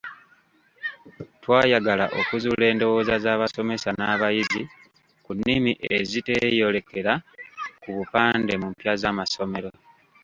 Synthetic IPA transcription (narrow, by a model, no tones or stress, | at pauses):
twaːjaɡalaʔo̞kuzule̞ːndo̞wo̞ːzazaːβaso̞me̞sanaːβajizi | kunːimiʔezite̞jo̞le̞ke̞ɾakuβupaːnde̞mumpjazamaso̞me̞ɾo̞